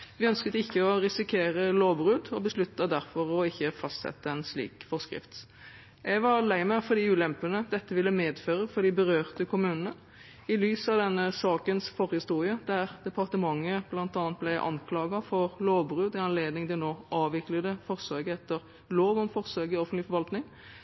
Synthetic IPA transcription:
ʋɪœnskət̪əɪçːəɔɾɪsɪkʰeːɾəloːbʁʉːd̪ɔbəslʉt̪ːɑd̪æʁfɔɾɔɪçːəfɑst̪sɛ̰t̪ːəɛnslḭːkfɔʁskʁɪ̰ft̪ | ɛɡʋɑɾlæɪməfɔɾd̪ɪʉːlɛmpənəd̪ɛt̪ːəʋɪlːəmeːd̪føːʁəfɔɾd̪ɪbəɾøːʁt̪əkʰʊmʉːnənə | ɪlyːsɑʋd̪ɛnːəsɑːkənsfɔɾhɪst̪uːɾɪəd̪æʁd̪̥ɛpʰɑʁt̪əmɑŋːəblɑnt̪ɑːnt̪̚blæɪʔɑ̰nkʰlɑːɡɑfɔʁloːbʁʉːd̪ɪɑnleːd̪nɪŋd̪ɪnoːʔɑːʋʋɪkləd̪əfɔʁsøːɡəɛt̪ːəɾ | loːʋɔmfɔʁsøːɡɪɔfənt̪lɪfɔɾʋɑlt̪nɪŋ

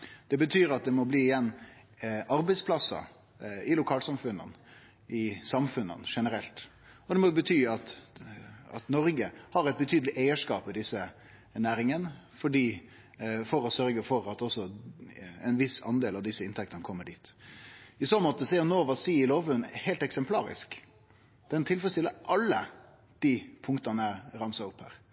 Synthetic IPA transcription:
d̪̥ɛbət̪ʰyːɾɑt̪̚d̪ɛmɔbliːɪjɛnː | ɑɾbɛɪspʰlɑsɑ̰ | ɪlʊkʰɑːlsɑmfʉnːə̰n | ɪsɑmfʉnə̰nʂɛnəɾɛlt̪ | ɔd̪ɛmɔbət̪ʰyːɑt̪ | ɑ̰t̪nɔɾɡəhɑɾæɛɪt̪̚bət̪ʰyːd̪lɪʔæɪəʂkɑːpɛd̪ɪsːə | næːɾɪŋənfɔɖiː | fɔɾɔsœɾɡəfɔɾɑt̪ɔsɔ | ɛ̰ɪnʋɪsɑ̰nd̪eːlɑʋd̪ɪsːəɪnt̪ʰɛk̚t̪ənəkʰɔmːəɖiːt̪ | ɪsoːnmɔt̪ːəsɛʊnoːʋɑsiːɪloːʋʉnhæɪlt̪ɛksɛmpʰlɑːɾɪ̰sk | d̪̥ɛnt̪ʰɪlfɔɾəst̪ɪləʔɑlːə | d̪̥ipʰʊŋkt̪ɑnəæɾɑmsɑʊphæ̰ːɾ

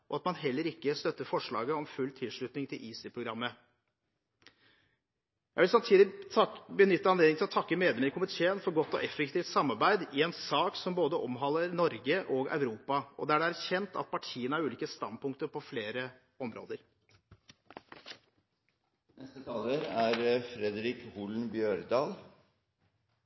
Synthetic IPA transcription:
ʔɔɑt̪mɑnɦɛlːəɾɪkːəst̪œt̪ːəfɔʂɭɑ̰ːɡəɔmfʉlt̪ʰɪlʂɭʉt̪nɪŋt̪ʰɪlʔiːsɪpʰɾʊɡɾɑmːə | jæɪʋɪlsɑmt̪ʰiːd̪ɪbənʏt̪ːəɑnleːd̪ɪŋt̪ɪɔt̪ʰɑkːəmeːd̪ɛməɪkʰʊmɪt̪ʰeːənfɔɾɡɔt̪ːɔ̰ʔɛfɛkt̪iːft̪sɑmːɑɾbæɪd̪ɪɛnsɑːksɔmboːd̪əʔɔmɦɑlːəɾnɔɾɡəʔɔɡɑ̰ʉɾuːpɑɔ̰d̪ɛæɖɛæɾçɛnt̪ɑ̰t̪̚pʰɑʈʰiːənəæɾʉːliːkəst̪ɑn̚pʊŋk̚t̪əɾpɔfleːɾə | ɔmɾo̰ːd̪əɾ | nɛst̪ət̪ʰɑːləɾæɾfɾɛd̪ɾɪkhuːln̩bjøːɾd̪ɑːl

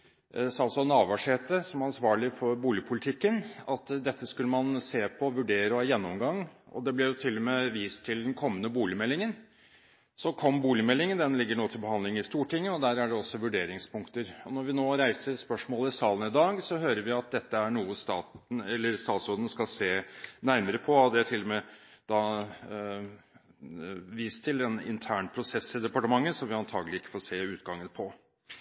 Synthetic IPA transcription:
sɑlsɔnɑːʋɑʂheːt̪əsɔmæɾɑnsʋɑːɭɪfɔɾbuːlɪəpʰʊlɪt̪ʰɪkːənɑt̪ːd̪ɛt̪ːəskʉlːəmɑnseːpʰɔʋʉɖeːɾəjɛnːɔmɡɑŋːɔ̰d̪ɛblɪɾjʊt̪ʰɪlːɔmeːʋiːst̪ʰɪld̪ɛnkʰɔmːənəbuːlɪmɛlːɪŋən | sɔkʰɔmːbuːlɪmɛlːɪŋənd̪ɛnlɪɡːəɳuːət̪ʰɪlbəhɑnd̪ɪŋɪst̪uːʈʰɪŋːəɔd̪æɾæɖɛɔsːɔʋʉɖeːɾɪŋspʊŋkt̪əɾɔnɔɾʋɪnoːɾæɪsəɾspœʂmoːləɪsɑːlənɪd̪ɑːɡsɔɦøːɾəɾʋɪɑt̪̚d̪ɛt̪ːəæɳuːəst̪ɑːt̪n̩ɛlːəɾst̪ɑːt̪sɔɾd̪ən̩skɑlseːnæɾməɾəpʰɔɑd̪ɛæʈʰɪlːɔmɛd̪̥ɑ | ʋiːst̪ʰːɪlɛnɪ̰nt̪ʰæːɳpʰɾʊsɛsːɪd̪ɛpɑʈəmɑŋːəsɔmʋɪɑnt̪ʰɑːɡlɪɪkːə̥foːseːʉːt̪ɡɑŋːənpʰɔ

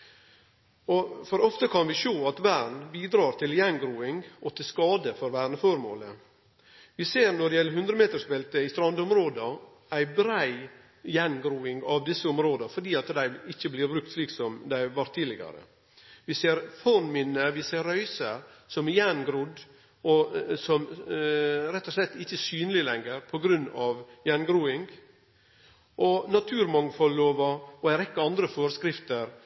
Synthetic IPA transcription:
ɔfɔɾɔft̪əkʰɑnʋɪʃoːɑt̪ʋæɾɳbiːd̪ɾɑːɾt̪ʰɪljɛnɡɾuːɪŋɔt̪ʰɪlskɑːd̪əfɔɾʋæːɾɳəfɔɾmo̰ːlə | ʋɪseːɾnɔɖ̪ɛjɛlːəɾɦʉnd̪ɾəmeːt̪əʂbɛlt̪əɪst̪ɾɑnd̪ɔmɾoːd̪ə | æɪbɾæɪ | jɛnɡɾuːɪŋɡɑʋd̪ɪsːəɔmɾoːd̪əfɔɖiːɑt̪d̪æɪɪçːəblɪɾbɾʉk̚t̪sliːksɔmd̪æɪʋɑɾt̪ʰːiːd̪lɪɡɑ̰ɾə̰ | ʋɪseːɾfɔnmɪnːəʋɪseːɾːœʏsəɾsɔmjɛnɡɾʊd̪ | ɔsɔm | ɾɛt̪ːɔʂlɛt̪ːɪçːəsyːnəlɪlɛŋəɾpʰɔɡɾʉnːɑʋjɛnɡɾuːɪŋɡ | ʔɔnɑt̪ʰʉːɾmɑŋfɔlloːʋɑɔæɪɾɛkːəɑnd̪ɾəfoːɾəskɾɪft̪əɾ

